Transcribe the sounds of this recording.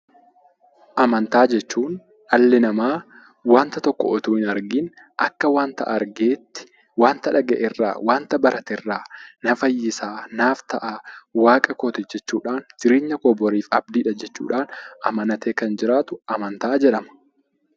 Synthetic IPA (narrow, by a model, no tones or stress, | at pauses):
ʔɐmɐnt̪aːd͡ʒɛt͡ʃːuːn | ɐlːɪnɐmaː | waːnt̪ɐt̪ɔkːɔ̰ɔt̪uːɪnɐɾɡɪn | ʔɐkːɐwaːnt̪ɐ̰ʔɐɾɡeːt̪ːɪ̥ | waːnt̪ɐᶑɐɡɛʔɪrːa̰ːwaːnt̪ɐbɐɾɐt̪ɪrːaːnɐfɐjːɪsaːnaːft̪ɐʔaːwaːkʼɐkoːt̪ɛd͡ʒɛt͡ʃːuːᶑaːnd͡ʒɪɾeːɲːɐkoːbɔɾiːfɐb̚d̪iːᶑɐd͡ʒɛt͡ʃːṵːᶑaːnʔɐmɐnɐt̪eːkɐnd͡ʒɪɾaːt̪ʊʔɐmɐnt̪aːd͡ʒɛᶑɐmɐ̥